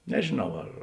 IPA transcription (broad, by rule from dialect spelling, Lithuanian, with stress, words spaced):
nʲɛʒʲeːˈnɐʊ ɐr